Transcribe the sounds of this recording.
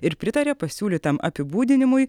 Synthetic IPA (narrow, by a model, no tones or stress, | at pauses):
ɪɾpʲɾʲɪt̪ɐɾʲeːpɐsʲuːlʲiːt̪ɐmɐ̰pʲɪbuːd̪ʲɪnʲɪmʊj